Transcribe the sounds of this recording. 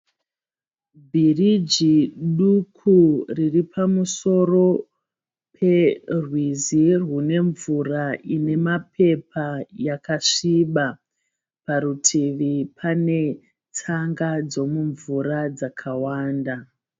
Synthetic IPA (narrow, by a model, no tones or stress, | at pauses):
bʱirid͡ʒiɗukʰuriripʰamuso̞ro̞ | pʰe̞rwizirwune̞ɱvuraine̞mapʰe̞pajakaʂiɓa | paɾutʰiʋipʰane̞ | t͡saŋɡad͡zo̞muɱvuɾad͡zakʰawaːnda